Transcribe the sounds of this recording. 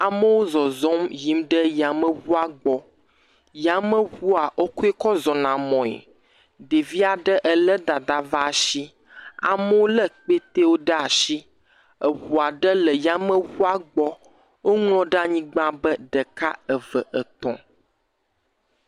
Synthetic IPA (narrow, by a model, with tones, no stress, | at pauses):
a˨mə˦wo˦zɔ˨zɔ̃˦mji˦mɖə˦ja˨mə̃˦wu˦a˨ɡ͡bɔ˦ | ja˨mə̃˦wu˦a˨ʔo˦ku˦e˦kɔ˦zɔ˨nã˨mɔ̃˨ḛ˨ | ɖe˨vi˦a˨ɖə˦ʔə˨lə˦d̪a˨d̪a˨va˦˨ʃi˦ | a̰˨mə˦wo˦lə˦k͡pe˦t̪e˦wo˦ɖə˦a˨ʃi˦ | ə˨wu˨a˨ɖə˦lə˨ja˦mə˦wu˦a˨ɡ͡bɔ˦ | wo˦ŋlɔ̃˦ɖa˦ɲĩ˦ɡ͡bã˦bə˦ɖə˨ka˦ə˨və˨ʔə˨t̪ɔ̰̃˨